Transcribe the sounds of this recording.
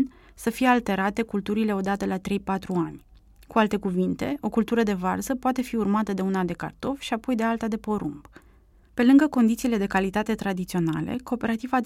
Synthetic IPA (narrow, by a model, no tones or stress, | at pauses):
nʲ | səfije̞alt̪e̞ɾat̪e̞kult̪uɾile̞o̞d̪at̪əlat̪ɾe̞jpat̪ɾuanʲ | kualt̪e̞kuvint̪e̞ʔo̞kult̪uɾəd̪e̞varzəpoat̪e̞fiurmat̪əd̪e̞unad̪e̞ka̰rt̪o̞fʃiapo̞jd̪e̞alt̪ad̪e̞po̞ɾumb | pe̞lɨŋɡəko̞nd̪it̪siːle̞d̪e̞kalit̪at̪e̞t̪ɾad̪it̪sio̞nalḛko̞ːpe̞ɾat̪iva